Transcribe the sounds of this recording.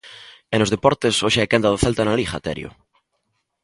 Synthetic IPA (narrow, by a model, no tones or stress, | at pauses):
enozðepɔɾt̪esoʃeɛkand̪aðoθelt̪analixa̰t̪ɛ̰ɾjo̰